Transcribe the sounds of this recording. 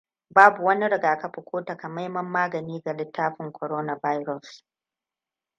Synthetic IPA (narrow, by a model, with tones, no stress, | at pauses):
baː˦bu˨wɐ˦ni˦ɽɪ˨ɡaː˨kɐ˦ɸʊ˨kʷoː˦tɐ˨ka˨ma˦jmɐ˦mːaː˦ɡɐ˨niː˦ɡa˨lɪ˦tːaː˦ɸɪ˨ŋkʰʷɔ˨ɾoː˦na˨ba˦jɾɔ˨s